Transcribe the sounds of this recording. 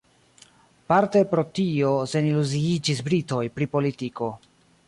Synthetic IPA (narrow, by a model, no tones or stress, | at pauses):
paɾte̞pɾo̞tiose̞niluziid͡ʒisbɾito̞jpɾipo̞litiko̞